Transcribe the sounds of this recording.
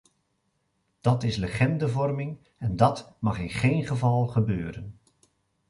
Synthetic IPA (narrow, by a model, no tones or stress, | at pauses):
d̥ɑtɪsləχɛndəvɔrmɪŋ | ɛndɑtmɑχɪnχejnχəvɑlˠχəbøːɾən